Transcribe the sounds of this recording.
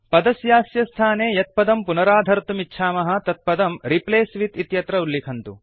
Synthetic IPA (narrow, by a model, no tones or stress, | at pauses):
pɐd̪ɐsjaːsjɐst̪ʰaːneːjɐt̪̚pɐd̪ɐmpunɐɾaːd̪ʱɐɾt̪umitːʃʰaːmɐɦɐ̆t̪ɐt̪̚pɐd̪ɐmɾipleːsʋit̪it̪jɐt̪ɾɐulːikʰɐnt̪ṵ